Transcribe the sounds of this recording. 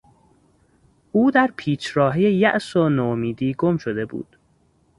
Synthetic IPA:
ʔuːd̪æɾpʰiːt͡ʃʰɾɒːɦijejæʔsonomiːd̪iːɡo̞mʃod̪e̞bṵːd̪̥

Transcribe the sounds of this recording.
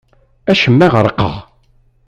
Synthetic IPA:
æʃəmːæʁəɾˤəqːə̰ʁ

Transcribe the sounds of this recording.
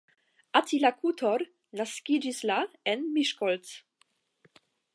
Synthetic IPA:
ʔatilakʰut̪ʰɔɾ | naskid͡ʒislaɛnmiʃkɔlt͡s

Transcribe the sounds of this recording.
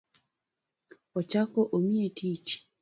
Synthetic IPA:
ɔt͡ʃakoʔomietʰit͡ʃ

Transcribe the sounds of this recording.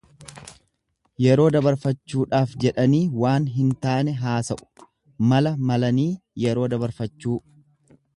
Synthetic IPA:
jɛɾo̞ːd̪ɐbɐɾfɐt͡ʃːuːᶑaːfd͡ʒɛᶑɐniːwaːnɦɪnt̪aːnɛɦaːsɐʔʊ̥ | mɐlɐmɐlɐniːjɛɾo̞ːd̪ɐbɐɾfɐt͡ʃːuː

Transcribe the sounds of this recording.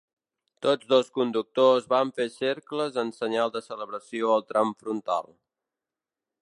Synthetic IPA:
t̪od͡zðoskund̪uk̚t̪ozβaɱfeseɾkləzənsəɲalˠd̪əsələβɾəsioəlˠt̪ɾʔamfɾunt̪a̰lˠ

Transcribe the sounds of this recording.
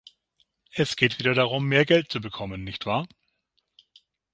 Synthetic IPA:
ʔɛsɡ̥eːtv̥iːdɐɾaʁ̞ʊmːeːɐɡɛlt̚t͡subəkʰɔmənːɪçtv̥aːɐ

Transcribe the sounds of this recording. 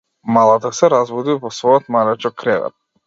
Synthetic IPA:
malˠat̪asɛɾazvɔd̪ivɔsvɔjɔt̪malɛt͡ʃɔkɾɛvɛ̰t̪̚

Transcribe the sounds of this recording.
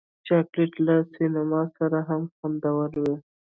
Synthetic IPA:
t͡ʃɑkleʈlasinamɑsaɾaɦamxand̪awaɾwe

